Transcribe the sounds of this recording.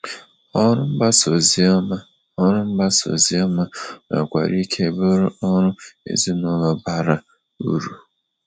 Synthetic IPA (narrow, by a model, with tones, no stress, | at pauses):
ɔ˦ɾʊ˦m̩˦ba˦so˨zi˦ɔ˦ma˦ | ɔ˦ɾʊ˦m̩˦ba˦so̰˨zi˦ɔ˦ma˦ma̰˨kʷa̰˨ɾi˦kʰe˦˨bʊ˦ɾʊ˦ɔ˦ɾʊ˦ḛ˨zi˦nʊ˦lɔ˨ba˦ɾa˦ | ṵ˦ɾu˦˨